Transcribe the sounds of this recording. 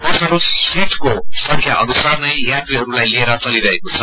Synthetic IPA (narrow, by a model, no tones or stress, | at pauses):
t̪ʌsʌɾusiʈkosʌ̃ŋkʰjaʔʌnusarnʌjjat̪riɦʌɾulajlieɾʌt͡sʌliɾʌɦekot͡sʰʌ